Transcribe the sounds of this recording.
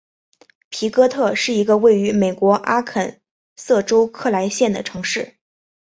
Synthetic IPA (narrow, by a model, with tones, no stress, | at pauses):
pʰi˧˥kɤ˥t̪ʰɤ˥˧ʂɻ̩˥˩i˧˥ɡə˧we˥˩ɪy˧˥me˨˩ɪkwɔ˧˥ʔa˥kʰə˨˩n | sɤ˥˩ʈ͡ʂo˥ʊkʰɤ˥˩la˧˥ɪɕjɛ˥˩nd̪ə˩ʈ͡ʂʰɤ˧˥ŋʂɻ̩˥˩